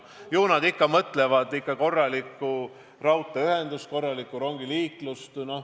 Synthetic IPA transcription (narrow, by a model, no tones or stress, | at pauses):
juːnɑd̪ikːɑmɤt̪ˑle̞vɑd̪̥ikːˑɑko̞rːɑlikːu | rɑwt̪ːˑeyɦe̞nd̪̥usko̞rːɑlikːˑuɾo̞ŋɡiliːklust̪no̞h